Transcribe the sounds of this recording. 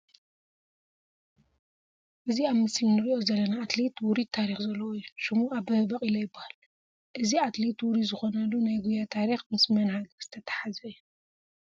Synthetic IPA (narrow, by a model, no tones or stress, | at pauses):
ʔɨziaβmɨsminɨɾiʔo̞zɐlːɐnaːt̪let̪wuɾit̪ʰːaɾixzɐlːɐwojːuʃɨmuaβbɨhɨbɐqʼilɐjɪbːahal | ʔɨziat̪let̪wuɾizɨxonɐlːunajɡujat̪ʰaɾixmɨsmɐnhaɡɐɾz̥ɨt̪ʰɐt̪ʰḁħazɐjːu